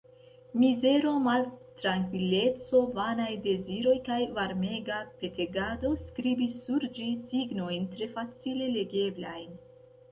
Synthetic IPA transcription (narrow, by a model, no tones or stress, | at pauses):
mize̞ɾo̞maltɾaŋkvile̞t͡so̞vanajde̞ziɾo̞jkajvaɾme̞ɡape̞te̞ɡado̞skɾibisːuɾd͡ʒisiɡno̞jntɾe̞fat͡sile̞le̞ɡe̞blajn